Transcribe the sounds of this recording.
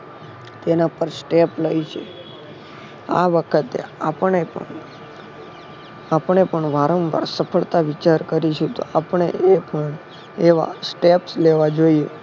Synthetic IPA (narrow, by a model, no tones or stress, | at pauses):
t̪enapəɾsʈepləjt͡ʃʰḛ | a̰ʋəkʰət̪ḛapəɳepə̰ɳ | apɳepəɳʋaɾə̃mba̰ɾsəpʰəɭt̪aʋit͡ʃaɾkəɾiʃũt̪o̰apəɳḛʔepəɳ | eʋa̰sʈepsleʋad͡ʒoie